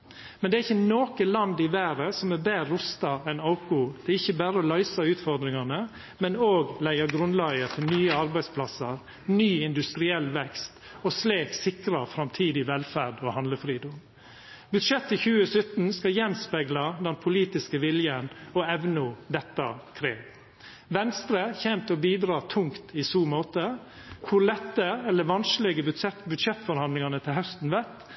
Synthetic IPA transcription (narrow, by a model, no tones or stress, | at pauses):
mɛnd̪ɛæɾɪçːənoːkəlɑnd̪ɪʋæːɾəsɔmæɾbeːɾʊst̪ɑɛnɑʊkʊd̪̥ɛɪçːəbæːɾəɔlɑʏsɑʉːt̪fɔɾd̪ɾɪŋɑnə | mɛnoːɡlæɪəɾɡɾʉnlæɪəɾt̪ʰɪnyːəɑɾbæɪspʰlɑsəɾ | nyːɪnd̪ʉst̪ɾɪɛlːʋɛkst̪ɔsleːksɪkɾɑfɾɑmt̪ʰiːd̪ɪʋɛlfæɖɔhɑnd̪ləfɾiːd̪ʊm | bʉd̪ʂɛt̪ːɪçʉːəsœt̪n̩skɑjɛnspɛɡlɑd̪ɛnpʰʊliːt̪ɪskəʋɪljənɔɛʋnʊd̪ɛt̪ːɑkʰɾeːʋ | ʋɛnst̪ɾəçɛmt̪ɔbiːd̪ɾɑːt̪ʰʊŋkt̪ʰɪsuːmɔt̪ːə | kʰʊlɛt̪ːəɛlːəʋɑnslɛɡəbʉɛbʉd̪ʂɛt̪ːfɔɾhɑnlɪŋɑnət̪ʰɪlɦhœst̪n̩ʋɛt̪